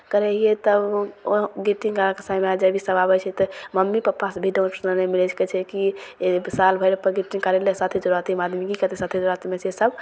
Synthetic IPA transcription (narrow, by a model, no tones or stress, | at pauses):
kəɾɛiet̪əboɡiʈĩŋkakesaimead͡ʒəbʱisəbabɛt͡ʃʰɛt̪ɔməmːipapːasebʱiɖõwnsnənemilɛt͡ʃʰkɛt͡ʃʰɛkibsalbʱəɪɾpəɾɡiʈiŋkəɾelɛsat̪ʰid͡ʒuɾat̪ʰimad̪mikikət̪esat̪ʰid͡ʒuɾat̪imesesəb